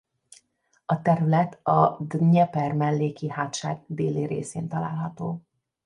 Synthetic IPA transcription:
ɒt̪ɛɾylɛt̪ɒɲɛpɛrmɛlːeːkihaːt̪ʃa̰ːɡ̚d̪eːleːɾḛːseːnt̪ɒla̰ːlɦɒt̪oː

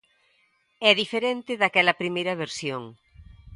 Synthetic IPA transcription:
ɛðifeɾẽnt̪ɪðakɛlɐpɾimejɾɐβeɾsjoŋ

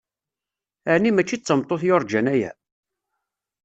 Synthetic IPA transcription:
aʕnimæt͡ʃːit͡sːəmt̪ˤːoθjoɾˤd͡ʒænæjæ̰

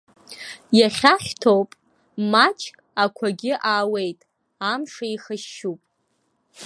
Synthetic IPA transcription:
jaχʲaχʲtʰowpʼ | mat͡ʃʼʰkʼakʷʰaɡʲɪʔaːwe̞jtʼ | amʂaiχəʃupʼ

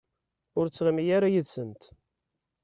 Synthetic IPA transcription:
ʊɾt͡sːʁəmijaɾajəðsənt̪

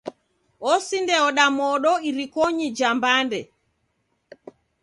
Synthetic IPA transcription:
ɔsindɛɔɗamɔɗɔiɾikɔɲid͡ʒambandɛ

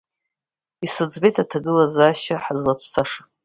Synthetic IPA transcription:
isɨd͡zbe̞jtʰatʰaɡɨlazaːʃaħazlat͡sʷʰt͡sʰaʂḁ

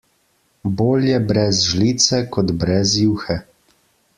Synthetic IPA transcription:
boːljɛbɾɛzʒliːt̪sɛkɔd̪bɾɛzjuːwxɛ

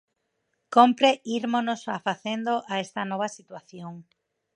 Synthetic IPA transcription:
kompɾeʔiɾmonosafaθend̪oʔaest̪ɐnɔβ̞ɐsit̪waθjoŋ

